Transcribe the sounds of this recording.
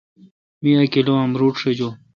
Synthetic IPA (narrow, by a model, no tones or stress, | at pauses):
miɐkiloɐmɾuːʈʂed͡ʑo